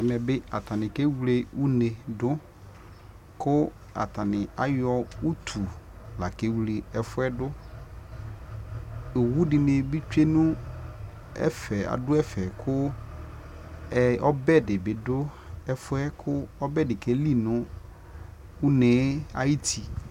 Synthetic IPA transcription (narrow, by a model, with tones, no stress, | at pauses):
ɛ˨mɛ̃˨bɪ˦a̰˨ta˨nɪ̃˨ke˦wu˨˦le˨u˦ne˨dʊ˦ | kʰʊ˦ | a̰˨tʰa˨nɪ̃˨a˦jɔ˦u˦tʰu˨la˨ke˦wle˨ɛ˨fʊ˦ɛ˦dʊ˦ | e˨wu˦dɪ˨mẽ˨bi˦t͡ʃᶣe˦nʊ̃˦ | ɛ̰˦fɛ˨a̰˨dʊ˦ɛ˦fɛ˨kʰʊ˦ | ɛ˦ɔ˦bɛ˦dɪ˨bɪ˨dʊ˦ | ɛ˦fʊ˦ɛ˦kʰʊ˦ɔ˦bɛ˦dɪ˨ke˦li˦nʊ̃˦ | u˦nẽː˨˦a̰˦ji˦tʰi˨